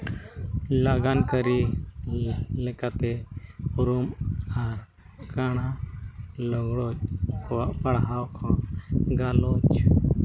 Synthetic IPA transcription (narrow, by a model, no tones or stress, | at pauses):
laɡankəɾi | lekat̪epuɾumaɾ | kaɽ̃a | lɔɡɽo | pəɽɦawkʰɔ̃ɡalot͡ʃ